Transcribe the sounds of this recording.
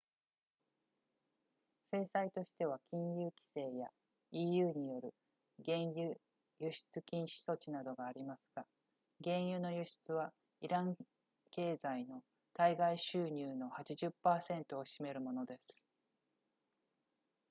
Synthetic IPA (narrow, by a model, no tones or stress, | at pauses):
se̞ːsait̪o̞ɕi̥t̪e̞β̞akʲĩɰ̃jɯːkʲi̥se̞ːja | iːjɯ̟ːɲ̟ijo̞ɾɯ̟ | ɡẽ̞ɰ̃jɯ | jɯɕi̥t͡sɨkʲĩɰ̃ɕi̥so̞t͡ɕinad̪o̞ɡaːɾʲimasɨ̥ɡ̥a | ɡẽ̞ɰ̃jɯ̟ːno̞jɯɕi̥t͡sɨβa | iɾãŋ | ke̞ːzaino̞ | t̪aiɡaiɕɨːɲ̟ɨːno̞hat͡ɕiʑɨpːaːsẽ̞nt̪o̞ːɕime̞ɾɯ̟mo̞no̞d̪e̞sɨ̥